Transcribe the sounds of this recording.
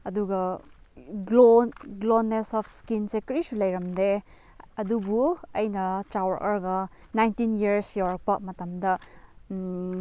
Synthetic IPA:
ɐduɡɐ | ɡloɡlonːesɔpʰskinsekɾisulɐjɾɐmde | ɐdubuɐjnɐt͡ʃawɐɾʔɐɾɡɐnajntinjiɾsjawɾɐk̚pɐmɐtɐmdɐ

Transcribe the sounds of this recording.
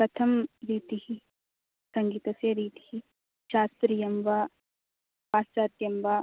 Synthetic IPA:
pɾɐt̪ʰɐmɾiːt̪ihi | sɐŋɡiːt̪ɐsjɐɾiːt̪i̥hi | ʃaːst̪ɾiːjɐmʋɐ | paːst͡ʃaːt̪jɐmʋa

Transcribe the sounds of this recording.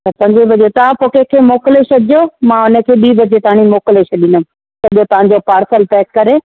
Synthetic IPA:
t̪ɐp̪ɐ̃ɲd͡ʑebɐd͡ʑot̪ɐʋãpoːkekʰeːmoːkleʃɐdd͡ʑomãʊnə̆kʰeːɓiːbɐd͡ʑet̪aaɽ̃imoːkleʃɐɗinʊ̃ | sɐʄot̪ɐʋ̤ãɲd͡ʑopaːɾsəlpɛːkːɐɾe

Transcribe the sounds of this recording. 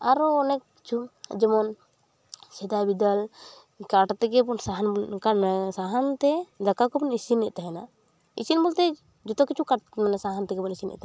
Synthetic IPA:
aɾɔɔnɛkːi̥t͡ʃʰṵd͡ʒɛmɔn | sɛd̪abid̪al | kaʈt̪ɛɡɛpɔnsaɦnkasaɦant̪ɛd̪akakɔpɔnisinːɛʔ̚t̪aɦɛna | ḭsinbɔlt̪ɛ | d͡ʒɔt̪ɔkit͡ʃʰukaʈmanɛsaɦant̪ɛɡɛpɔnisinɛ̰ʔ̚t̪a

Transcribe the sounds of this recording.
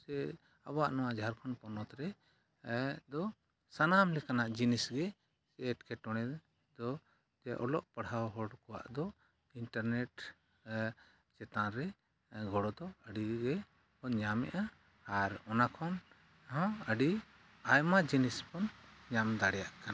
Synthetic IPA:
ɛ | a̰bwa̰ʔnɔwaʔd͡ʒɦaɾkʰɔnpɔnɔt̪ɾɛ | d̪ɔ | sanamlɛkanaʔd͡ʒinisɡɛ | sɛʈkɛʈɔɽ̃ɛ | d̪ɔ | d͡ʒɛʔɔ̰lɔʔpəɽɦawɦɔɽkɔwa̰ʔd̪ɔ | inʈaɾnɛʈ | t͡ʃɛt̪ãɾɛ | ɡɔɽɔd̪ɔəɖiɡɛ | pɔɲamɛ̰ʔaː | ɾɔnakʰɔn | ɦɔ̃əɖi | ajmad͡ʒinispɔnɲamd̪aɽɛjaʔkana

